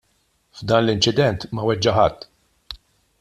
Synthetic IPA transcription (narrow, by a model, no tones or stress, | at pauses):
vd̪ɐːnlɪnt͡ʃɪd̪ɛnt̪mɐwɛd͡ʒːɐħɐt̪ː